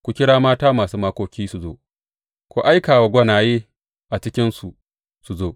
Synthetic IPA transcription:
kʷu˨kʲɪ˦ɽaː˦maː˦taː˦maː˨suː˦maː˦kʷoː˦kʲiː˦su˨zo̰ː˦ | kʷoː˦ʔa˦jkaː˨wa˨ɡʷɐ˦naː˨jeː˦ | ʔa˨t͡ʃɪ˦kʲɪ˦nsu˨ | su˨zoː˦

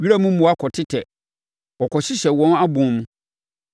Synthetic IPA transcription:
ɥi˦ɾa˦mũ˦mʊ̃˨˦a˦kʰɔ˨tʰɪ˦tʰɛ˨ | ɔ˨kʰɔ˨ɕɪ˦ɕɛ˨wɔ̃˦na˦bʊ̃˨˦mũ˦

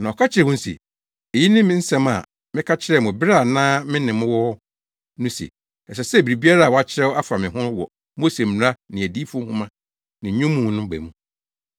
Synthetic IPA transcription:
nã˨ɔ˨kʰa˦t͡ɕʰɪ˦ɾɛ˨wʊ̃˦n̩˦sḭ˨ | e˨ji˦nɪ̃˦mɪ̃˦n̩˦sɛ̃˦ma̰˨ | mɪ̃˦kʰa˦t͡ɕʰɪ˦ɾɛ˦˨mʊ̃˨bɪ˦ɾa˦˨nãː˦mɪ̃˦nɪ̃˨mʊ̃˦wɔ˦ | nʊ̃˦sḛ˨ | ɛ˨s̬ɛ˨sɛ˦˨bi˨ɾi˨bi˦a˦ɾa˦˨wɔ˨˦a˦t͡ɕʰɪ˦ɾɛ˦wɔ˦a˦fa˨mɪ̃˨ɦʊ̃˦wɔ˨ | mo˦se˨mɪ˨ɾã˦nɪ̃˨æ˨diː˦fɔ˦hʊ̃˦mã˦ | nɪ̃˨˦ɲʊ̃˦mːũː˨nʊ̃˦m˦bæ̰˨mũ˦

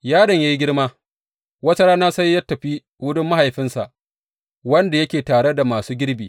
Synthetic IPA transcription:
jaː˦dɐ˨ɲjɐ˦ji˦ɡʲɪ˦ɽmaː˦ | wɐ˦tɐ˦ɽaː˦naː˦sɐ˦jːa˦tːɐ˨ɸi˦ | wʊ˦dʊ˦mːa˦ha˨jɸɪ˦nsa˨ʔ | wɐ˦nda˨jɐ˦kʲeː˨taː˨ɽe˦da˨maː˨suː˦ɡʲɪ˦ɽbiː˨

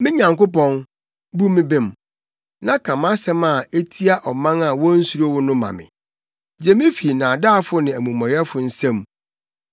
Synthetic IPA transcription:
mɪ̃˦ɲã˨ŋkʊ˦pɔ̃˦n | bu˦mɪ̃˦bɪ̃˨m | nã˦kʰã˨mã˦sɛ̃˦ma˨e˦tʰi˦a˦ʔɔ˨mã˦ŋa˨wɔ̃˦n̩˦su˦ɾo˦wʊ˦nʊ̃˦mã̰˨mɪ̰̃˨ | d͡ʑɛ˦mɪ̃˦fi˨nã˨daː˦˨fʊ˦nɪ̃˨æ˨mũ˨mɔ̃˨jɛ˦fʊ˨n̩˦sɛ̃˦m

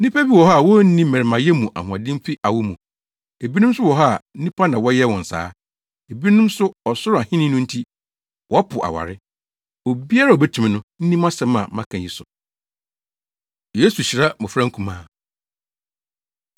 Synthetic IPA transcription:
nĩ˦pa˦bi˦wɔ˨ɦa˦˨wɔ˦n̩˦nĩ˦mɛ̃˨ɾɪ˨mã˨jɛ˦mũ˨ʔa̰˨hʊ̃˨ã˨dɪ̃˦m˦fi˦ʔa˨wʊ˦mũ˨ | e˨bi˦nʊ̃˦m˦sʊ˦wɔ˨ɦa˦˨n̩˦nĩ˦pʰa˦nã˨wɔ˦jɛ˦wɔ̃˨n̩˨sa̰ː˦ | e˨bi˦nʊ̃˦m˦sʊ˦ɔ˨sʊ˦˨a˨hɪ̃˦nɪ̃˦nʊ̃˦n̩˦tʰi˦ | wʔɔ˦a˦pʰʊ˨ʔa̰˨wa̰˨ɾɪ˦ | o˨bi˦a˦ɾa˦˨o˨bɛ˦tʰũ˨mɪ̃˨nʊ̃˦n̩˦nĩ˦mã˦sɛ̃˦mã̰˨mã˦kʰã˨i˨sʊ˨ | je˦su˨ɕi˨ɾa˦mʊ̃˨fɾã˦ŋ̩˦kʰũ˨mãː˨

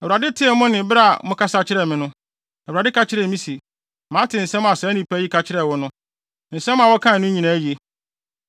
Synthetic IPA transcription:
ɛ˨a˨dɪ˦tʰɪ˦ɛ˨mʊ̃˦nɪ̃˨bɪ˦ɾa˦˨mʊ̃˦kʰa˦sa˦t͡ɕʰɪ˦ɾɛ˨mɪ̃˦nʊ̃˦ | ɛ˨u˨ɾa˨dɪ˦kʰa˦t͡ɕʰɪ˦ɾɛ˨mĩ˦si˨ | mã˨˦tʰɪ˨n̩˨sɛ̃˦m˦a˨sɛ˨˦nĩ˦pʰæ˦i˦kʰa˨t͡ɕʰɪ˦ɾɛ˨wɔ˦nʊ̃˦ | n̩˨sɛ̃˦m˦ã˨wɔ˦kʰã˦˨nʊ̃˦ɲĩ˨nã˨˦ji˨e˦

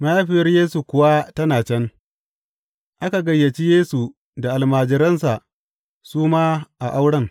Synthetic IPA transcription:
ma˦jaː˦ɸɪ˨jɐ˦rjeː˦su˨kʷʊ˨wa˦tɐ˦naː˨t͡ʃɛ˦n | ʔa˦ka˨ɡɐ˨jːɐ˨t͡ʃi˦jeː˦su˨ | da˨ʔa˨lmaː˨d͡ʒɪ˨ɾɐ˦nsa˨ʔ | suː˦maː˦ʔa˨ʔa˦wɽɐ˦ŋ

